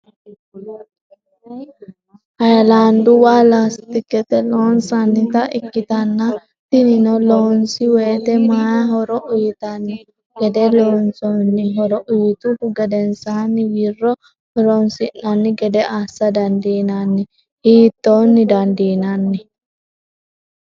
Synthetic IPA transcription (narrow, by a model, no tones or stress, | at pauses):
hɐjɐlaːnd̪ʊwaːlast̪ɪkːɛt̪ɛloːnsɐnːɪt̪ɐʔɪkːɪt̪ɐnːɐ | t̪ɪnɪnɔloːnsɪweːt̪ɛmaːjɐɦɔɾɔʔʊjɪt̪ɐnːɪ | ɡɛd̪ɛloːnsɔnːɪɦɔɾɔʔʊjɪt̪ʊʊɡɐd̪ɛnsaːnːɪwirːɔ | hɔɾɔnsɪnːɐnːɪɡɛd̪ɛaːsːɐd̪ɐnd̪iːnɐnːɪ | hiːt̪ːoːnːɪd̪ɐnd̪iːnɐnːɪ